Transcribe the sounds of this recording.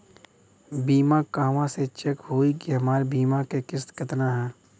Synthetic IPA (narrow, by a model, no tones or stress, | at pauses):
biːmakaːʋãset͡ʃɐkɦoːikiɦɐmaːɾbiːmakekɪst̪kɪt̪naɦɛː